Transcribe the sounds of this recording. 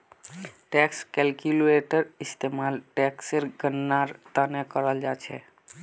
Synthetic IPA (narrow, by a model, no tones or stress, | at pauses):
ʈɛkskɛlkuleʈəɾist̪emalʈɛkseɾɡənːaɾt̪anɛkəɾəld͡ʒat͡ʃʰɛ̰